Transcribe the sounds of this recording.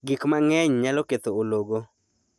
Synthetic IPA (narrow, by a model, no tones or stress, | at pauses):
ɡɪkmaŋɛɲɲalɔket̪ooloɡo